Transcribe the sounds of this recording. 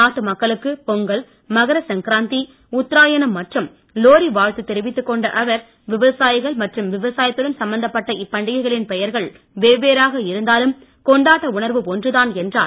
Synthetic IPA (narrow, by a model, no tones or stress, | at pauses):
aːʈːɯmɐkːɐɭɯkːɯpɔŋɡɐɭ | mɐɣɐɾɐsɐŋkɪɾaːnt̪i | ʊt̪ːɪɾaːjɐnɐmːɐʈrɯm | loːɾiʋaːɻt̪ɯt̪ːɛɾɪʋɪt̪ːɯkːɔɳɖɐʔɐʋɐɾ | ʋɪʋɐsaːjɪɣɐɭmɐʈrɯmʋɪʋɐsaːjɐt̪ːɯɽɐnsɐmbːɐnd̪ɐpːɐʈːɐʔɪpːɐɳɖɪɣɐɪɣɐɭɪnpɛjɐɾɣɐɭ | ʋeːʋeːɾaːɣɐɪɾɯnd̪aːlɯm | kɔɳɖaːʈːɐʊɳɐɾʋɯɔndrɯðaːnɛndra̰ː